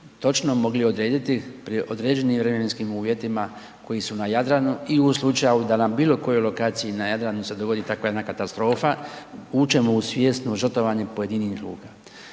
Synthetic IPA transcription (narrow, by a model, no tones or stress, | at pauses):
t̪o̞t͡ʃno̞mo̞ɡlio̞d̪ɾe̞ːd̪it̪ipɾʔo̞d̪ɾeːd͡ʒe̞niːmvɾe̞meme̞nskimuːʋje̞t̪ima | ko̞jisunajad̪ɾanuiuslˠut͡ʃaaud̪anabiːlo̞ko̞jojlo̞kaːt̪sijinajad̪ɾanuse̞d̪o̞ɡo̞d̪iːt̪akʋajd̪nakat̪ast̪ɾo̞ːfauːt͡ʃe̞mo̞usʋʲje̞st̪noʒər̩t̪o̞ʋaɲe̞po̞je̞d̪iniːxlṵːka